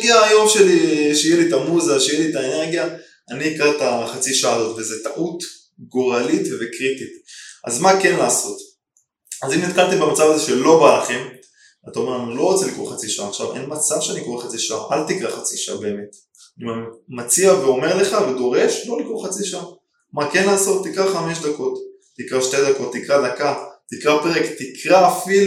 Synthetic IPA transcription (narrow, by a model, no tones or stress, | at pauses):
ɡiaːjo̞mʃe̞liiʃejelitamuzaʃejelitaene̞ʁɡja | aniːkaʁtaχat͡siʃaaːzo̞tvezetaʔut | ɡoʁalitvekʁit̪itʔa̰zmake̞nlaːso̞t | azimnit̪kalt̪embemat͡savazeʃe̞lo̞baχem | at̪ao̞me̞ʁanilo̞ʁo̞t͡selikʁo̰χat͡siʃaaːχʃavʔḛnmat͡savʃeanikoχat͡siʃaa̰ʔalt̪ikʁaχat͡siʃaa̰be̞ːme̞t̪ | imanimat͡siave̞o̞me̞ʁle̞χave̞d̪o̞ʁe̞ʃlo̞likʁoχat͡siʃaa | make̞nlaːso̞t̪ːikʁaχame̞ʃd̪ako̞tː | ikʁaʃte̞d̪ako̞t̪ːikʁad̪akatikʁape̞ʁekt̪ikʰʁaːfil